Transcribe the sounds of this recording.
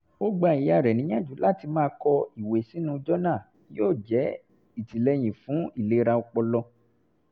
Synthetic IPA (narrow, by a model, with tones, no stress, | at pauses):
o˦ɡ͡ba˧˨i˨ja˧˨ɾɛ˨nĩ˨˦j̃ã˦˨d͡ʒu˨˦la˦˨ti˧mãː˦˧˦kɔ˧i˨we˨si˨˦nũ˧˦d͡ʒɔ˦nã˦˨˦ | joː˦˨d͡ʒɛ˨˦ | i˦˨ti˨lɛ˧j̃ĩ˨fũ˨˦i˦˨le˨˦ɾa˧ɔ˧k͡pɔ˧lɔ˧